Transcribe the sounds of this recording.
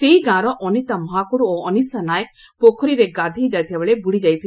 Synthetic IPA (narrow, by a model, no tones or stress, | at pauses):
seiɡãɾɔʔɔnit̪amɔɦakuɽuoɔnisanaj | pokʰɔɾiɾeɡãd̪ʱid͡ʒajt̪ʰiɛbeɭebuɽid͡ʒajt̪ʰi